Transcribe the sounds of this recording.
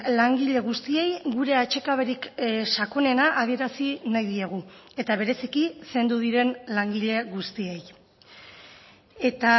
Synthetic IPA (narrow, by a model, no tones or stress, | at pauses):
laŋɡiʎe̞ɣ̞ust̪ie̞jɡuɾe̞at͡ʃe̞kaβeɾiksako̞ne̞naʔːð̞ie̞ɾasinajðieɣ̞ue̞t̪aβ̞e̞ɾe̞sikise̞nd̪uð̞iɾe̞nlaŋɡiʎe̞ɣust̪ie̞j | e̞t̪a